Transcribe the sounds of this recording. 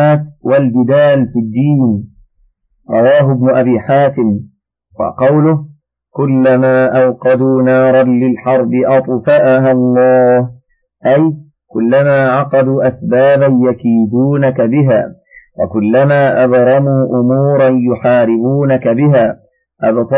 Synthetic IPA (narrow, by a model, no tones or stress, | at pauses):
aːt̪walbɪd̪aːlfid̪ːiːn | ɾˤɑwaːɦʊbnʊʔabiːħaːt̪ɪm | wɑ̰qɑwlʊh | kʊlːamaːʔawqɑd̪uːnɑːɾˤɑnlɪlħɑɾˤbɪʔɑt̪ˤfaʔaɦalˤːɑːh | ʔaj | kʊlːamaːʕɑqɑd̪uːʔasbaːbanjakiːd̪uːnakabɪɦa̰ː | wa̰kʊlːamaːʔad̪ɾˤɑmuːʔʊmuːɾˤɑnjʊħaːɾɪbuːnakabɪaː | ʔabt̪ˤ